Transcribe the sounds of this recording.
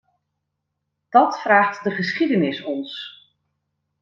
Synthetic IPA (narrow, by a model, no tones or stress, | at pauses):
d̥ɑtfraːχtdəχəsχidənɪsɔns